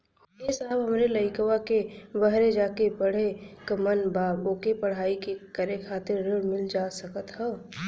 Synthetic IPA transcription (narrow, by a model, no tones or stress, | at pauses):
esaːbɦəmɾeləɪkəʋakebəɦɾed͡ʒaːkebəɽ̤ekəmənbaːboːkepəɽ̤aːikekəɾekʰaːt̪ɪɾːeɽmɪld͡ʒasəkət̪ɦɛː